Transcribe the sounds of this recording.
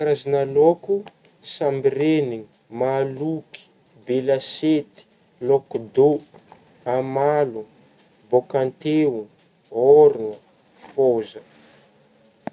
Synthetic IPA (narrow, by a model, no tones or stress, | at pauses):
kɾazinaloku | sambireniŋimaluki̥ | belaset̪i̥ | lokd̪o | amalu | bokant̪eu | oɾinə | fozə